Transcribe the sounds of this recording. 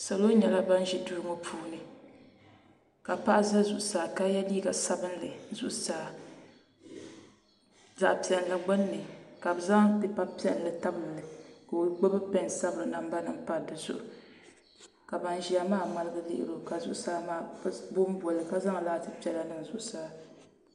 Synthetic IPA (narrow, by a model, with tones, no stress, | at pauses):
sa˨lo˦ɲɛ˨la˦ba˦n˦ʒi˦du˨ɾɨ˦ŋo˦pʰuː˦nɨ˨ | ka˨pa˦ʔza˦zʊ˨ʔʊ˦saː˨ka˦jɛ˦liː˦ɡa˨sa˦bɨ˦nlɨ˨˦zʊ˦ʔsaː˨ | za˨ʔpi˨ɛ˨n˨la˨ɡ͡ba˦nː˦ɨ˨ka˨bɨ˨za˦ŋpɛ˨pa˦pi˦ɛ˨n˨lɨ˨ta˦bɨ˨m˨lɨ˨ka˨˦ɡ͡bo˦bɨ˦pɛ˦nsa˦bɨ˨ɾɨ˨na˨mba˦nɨ˦pa˨˦˨dɨ˨zʊ̰˦ʔʊ˨ | ka˨ba˨n˨ʒi˨a˦maː˦ma˦lɨ˦ɡɨ˦lɪ̰˦˨ʔɪ̰˨ɾo˦ka˨zʊ̰˦ʔʊ˦saː˦maː˦˨˦bʊ˦m˦bɔ˨lɨ˨ka˦za˦ŋ˨laː˦tɨ˦pi˨˦ɛ˨la˨nɨ˦n˨zʊ˨ʔʊ˨saː˨˦˨